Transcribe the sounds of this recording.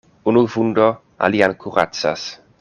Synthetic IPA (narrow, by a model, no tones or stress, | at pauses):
unuvundo | a̰liankʰuʁa̰t͡sa̰s